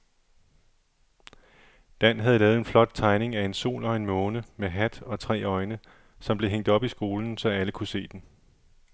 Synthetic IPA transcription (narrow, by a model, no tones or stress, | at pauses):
d̥æn̰ɦæð̞̩ˠlɛːð̩ˠenflɒ̽d̥̚t͡sʰɑ̈ɪne̝ŋæe̝nso̝̰ːlɒ̽e̝nmɔːnəmeɦæd̥ɒ̽t͡sʰʁɛ̰ːɒ̽ɪnə | sɒ̽mb̥le̝ɦeŋ̰d̥ɒ̽b̥isɡ̥o̝ːln̩sɒ̽æləkʰuse̝̰ːd̥en